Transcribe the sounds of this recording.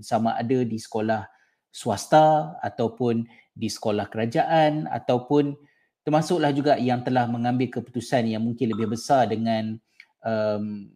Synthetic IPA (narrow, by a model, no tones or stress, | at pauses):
samãʔadadisə̥kolah | suast̪aa̰t̪awpʊn | disə̥kolahkəɾad͡ʒaʔana̰t̪awpʊn | t̪ərmasʊʔlahd͡ʒuɡaʔjaŋt̪əlahmə̃ŋãmbɪlkəpu̥t̪usanjaŋmũŋkɪnləbɪhbəsardəŋãn | əm